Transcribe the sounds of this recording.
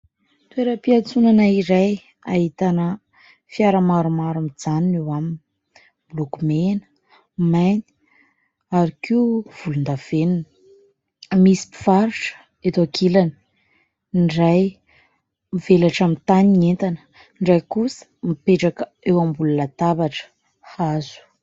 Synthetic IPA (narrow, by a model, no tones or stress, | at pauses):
t̪ueɾəpiat͡sunanaiɾaj | aɦit̪anə | fiaɾamaɾumaɾamid͡zaninewamini | blokumenə̥ | majni̥ | aɾikiuv̥ulund̪av̥enunə̥ | misi̥pi̥faɾuʈ͡ʂə̥ | et̪oakʰilani̥ | ɳɖ͡ʐaj | mivelaʈ͡ʂamint̪anient̪anə | ɳɖ͡ʐajkusə̥mipeʈ͡ʂakə | ewambulunat̪abaʈ͡ʂə̥ | hazu̥